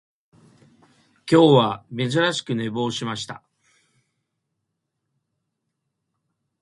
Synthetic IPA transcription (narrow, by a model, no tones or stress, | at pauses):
kʲo̞ːβame̞zɨɾaɕi̥kɯ̟ne̞bo̞ːɕimaɕi̥t̪a